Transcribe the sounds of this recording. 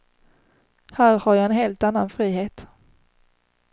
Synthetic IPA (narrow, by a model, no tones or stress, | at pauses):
hæːɾhaɾjaɛnɦeːlt̪anːanfɾiːɦeːt̪